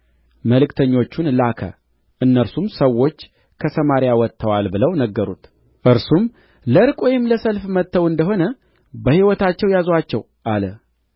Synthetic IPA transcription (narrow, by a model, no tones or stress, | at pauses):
məlɨkt̪ʰəɲːo̞t͡ʃːunlakʰə̰ | ʔɨnːəɾsumsəwːo̞t͡ʃː | kʰəsəmaɾjawɔt̪ʰːəwalbɨləwnəɡːəɾṵt̪ | ʔɨɾsum | ləɾkʼojɪmləsəlfmət̪ːəwɨnd̪əɦo̞nə | bəhiwɔt̪ʰat͡ʃːɛwjazwat͡ʃːɛw | ʔalə